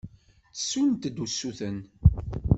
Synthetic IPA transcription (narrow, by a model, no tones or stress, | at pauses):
t͡sə̥sːunt̪d̪usːuθən